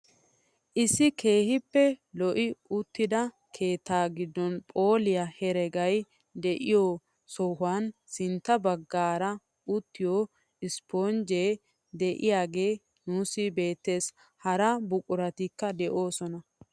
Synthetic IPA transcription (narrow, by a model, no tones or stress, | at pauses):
ʔɪsːɪkʰe̞ːhɪpːɛlɔʔɪʊt̪ːɪd̪ɐ | kʰe̞ːt̪ːaːɡɪd̪ːɔnpʼo̞ːlɪjɐhɛɾɛɡɐj | d̪ɛʔɪjo | sɔhʊaːnsɪnt̪ːɐbɐɡːaːɾɐ | ʊt̪ːɪjo | ɪspoːnd͡ʒeː | d̪ɛʔɪjaːɡe̞ː | nuːsɪbe̞ːt̪ːe̞ːs | hɐɾɐbʊkʼʊɾɐt̪ikːɐd̪ɛʔo̞ːsɔnɐ